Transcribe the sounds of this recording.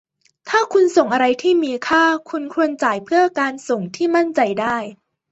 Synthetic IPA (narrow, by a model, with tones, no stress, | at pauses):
t̪ʰaː˥˩kʰu˧nso˨˩ŋʔa˧ɾa˧jt̪ʰiː˥˩miː˧kʰaː˥˩kʰu˧nkʰu˧ənt͡ɕaː˨˩jpʰɯ˥˩ɐkaː˧nso˨˩ŋt̪ʰiː˥˩ma˥˩nt͡ɕa˧jdaː˥˩j